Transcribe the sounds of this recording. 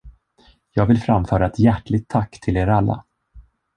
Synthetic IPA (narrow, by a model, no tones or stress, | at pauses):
jɑːɡvɪlfɾamfœːɾaɛt̪jæʈɭɪɡ̚t̪ʰːakːt̪ʰɪleːɾalːa̰